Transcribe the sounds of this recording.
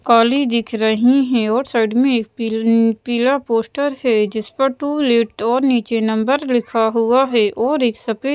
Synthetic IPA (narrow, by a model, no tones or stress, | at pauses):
kaːlid̪ɪkʰɾɐɦiɦɛ̃ɔːɾsaɪɖmẽeːk̚pːpiːlapoːsʈəɾɦɛd͡ʒɪspəɾʈuːleʈɔːɾniːt͡ʃenɐ̃mbəɾlɪkʰaɦuaɦɛʔʔɔːɾeːksɐpe